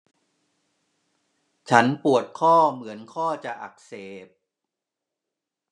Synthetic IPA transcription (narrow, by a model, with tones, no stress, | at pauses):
t͡ɕʰa˦˥npu˨˩ət̪̚kʰɔː˥˩mɯ˩˦ənkʰɔː˥˩t͡ɕa˨˩ʔa̰˨˩k̚seː˨˩p̚